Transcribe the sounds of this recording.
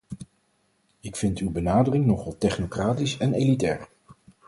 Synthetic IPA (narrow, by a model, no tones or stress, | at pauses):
ɪkfɪntywbənaːdərɪŋnɔχɑlˠtɛχnokraːtisɛnelitɛ̰ːɹ